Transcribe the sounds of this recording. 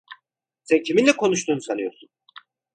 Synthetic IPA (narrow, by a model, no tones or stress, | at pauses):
sɛncʰiminlʲɛkʰo̞nuʃt̪ʰuːnusanɯjo̞ɾsun